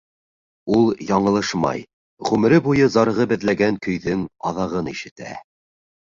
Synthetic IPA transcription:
ulˠjɑɴɤ̆lˠɤʃmɑ̰j | ʁʉmɘ̆ɾɘbujɤzɑɾɤ̆ʁɤbɘ̆ðlæɡæŋkɵ̆jðɵŋɑ̰ðɑʁɤniʃɘ̆t̪æ̰

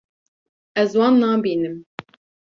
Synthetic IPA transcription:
ɛzwɑːnːɑːbiːnɨm

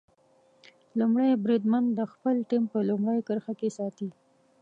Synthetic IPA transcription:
lumɽajbɾid̪mand̪d̪əxpəlʈimpəlumɽajkəɾxakesɑt̪i

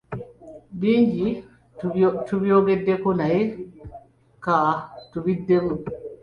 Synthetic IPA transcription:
biɲd͡ʒi | tubiɔɡɛdːɛkɔnajɛ | katuwidːɛmu

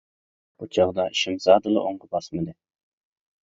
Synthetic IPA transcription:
b̥ut͡ʃʰɑʁd̪ɑiʃɪmzɑːd̪ɨlˠɨ̰ʔoŋʁəbɑsmɨd̪ɪ

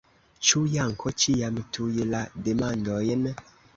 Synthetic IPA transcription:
t͡ʃujaŋ̩kʰɔt͡ʃijamətʰujelademandɔjɛnɛ

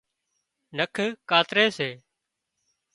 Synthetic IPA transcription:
nəkʰkaːt̪ɾeːseː

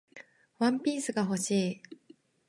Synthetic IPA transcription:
wãmpʲiːsɨɡaɦo̞ɕiː

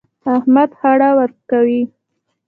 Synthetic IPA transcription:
ahmad̪haɽawəɾkawi

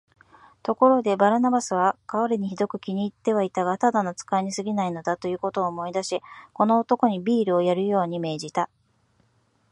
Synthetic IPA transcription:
t̪o̞ko̞ɾo̞d̪e̞baɾɯ̟nabasɨβ̞akaoɾeɲ̟içid̪o̞kɯ̟kʲiɲ̟iːt̪ːe̞β̞ait̪aɡat̪ad̪anot͡sɨ̥kaeɲ̟isɨɡʲinaino̞d̪at̪o̞jɯ̟ːko̞t̪o̞ːmo̞id̪aɕiko̞no̞ːt̪o̞ko̞ɲ̟ibʲiːɾɯ̟o̞jaɾɯ̟jo̞ːɲ̟ime̞ːʑit̪a

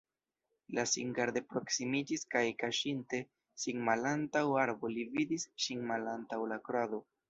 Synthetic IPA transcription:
lasḭŋɡaɾd̪e̞pɾo̞ksimid͡ʒiskajkaʃinte̞ | sinmalantawaɾbo̞lividisʃinmalantawlakɾado̞

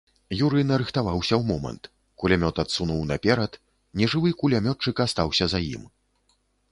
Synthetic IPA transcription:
juɾɨnɐɾɨxt̪avawsʲɐwmɔmɐ̰nt̪ | kulʲamʲɔt̪at̪sunuwnɐpʲɛɾɐt̪ | nʲɛʐɨvɨkulʲamʲɔt͡ʂːɨkast̪awsʲɐzajḭm

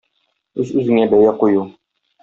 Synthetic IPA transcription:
ʉzʉzɘ̆ŋæbæjæquju

